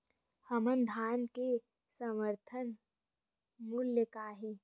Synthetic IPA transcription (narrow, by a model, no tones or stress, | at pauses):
həmənd̪ʱaːnke | səməɾt̪ʰən | muljəkaːɦe